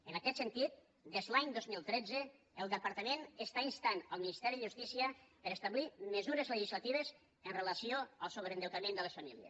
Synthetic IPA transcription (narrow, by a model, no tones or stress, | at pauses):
ənəkɛt̪sənt̪it̪̚ | d̪ezlaɲd̪ozmilˠt̪ɾɛd͡zə | əlˠd̪əpəɾt̪əmẽnəst̪ainst̪anəlˠminist̪ɛɾiðəʒust̪isiəpəɾəst̪əβliməzuɾəzləʒizlat̪iβ̞əz | ənrələsioəlˠsoβɾənd̪əwt̪amend̪ələsfamiljə̰s